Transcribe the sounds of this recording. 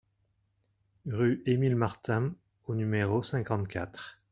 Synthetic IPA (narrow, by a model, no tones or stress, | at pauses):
ʁyʔemilmaʁt̪ɛ̃ | onymeʁosɛ̃kɑ̃t̪kʲat̪χ